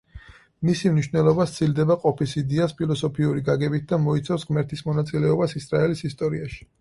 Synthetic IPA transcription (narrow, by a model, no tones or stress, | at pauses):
misimniʃvnɛlˠɔbat̪sʰild̪ɛbaqʼɔpʰisid̪iaspʰilˠɔsɔpʰiuɾiɡaɡɛbit̪̚ʰd̪amɔit̪sʰafsʁmɛɾt̪ʰismɔnat̪sʼilɛɔbasisɾaɛlisist̪ʼɔɾiaʃi̥